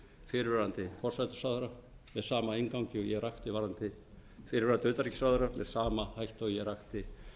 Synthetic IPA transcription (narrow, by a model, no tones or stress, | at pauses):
fɪɾvɛɾant̪ɪfɔr̥sajt̪ʏ̥sawðʏɾa | mɛðsaːmaejŋkawɲcɪɔjɛɣrajxt̪ɪvaɾant̪ɪ | fɪːɾɪvɛɾant̪ɪʏːt̪aɾicɪsawðʏɾamɛðsaːmahajht̪ajɛɾajxt̪ɪ